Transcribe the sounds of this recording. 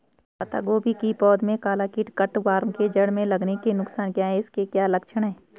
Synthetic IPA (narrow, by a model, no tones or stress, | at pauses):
pɐt̪a̰ːɡoːbʱikipɔːd̪mẽkaːlaːkiʈkɐʈʋaːɾmked͡ʒɐɽmẽlɐɡnekenʊksaːnkjaːɦɛɪskekjaːlɐkʃəɽ̃ɦɛː